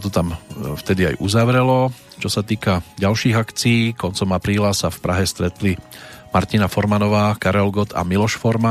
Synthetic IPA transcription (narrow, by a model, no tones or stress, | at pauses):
t̪ɔt̪amft̪ɛd̪ia̰jʔṵzaʋɾɛlɔt͡ʃɔsat̪iːkaɟalʃiːɣakt͡siiːkɔnt͡sɔmapɾiːlasafpɾaɦɛst̪ɾɛt̪limaɾt̪inafɔɾmanɔʋaːkaɾɛlɡɔt̪ʰa̰milɔʃfɔɾma